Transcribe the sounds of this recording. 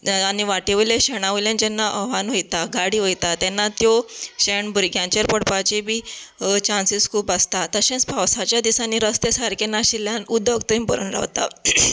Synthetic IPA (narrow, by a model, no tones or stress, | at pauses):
aniʋaʈeʋileɕeɽ̃aʋiljãnt͡ɕɛnːaʔəʋanʋojt̪aɡaɽiːʋojt̪at̪ɛnːat̪joɕeɳbʱuɾɡʱjãt͡ɕəɾpəɽpat͡ɕibʱiːt͡ɕãnsiskʰuːpast̪at̪əɕẽnt͡spawsat͡ɕjad̪isanːiːɾəst̪jəsaɾkenːaɕiljanud̪ʱːək̚t̪əĩmpəɾṵnɾa̰ʋt̪a̰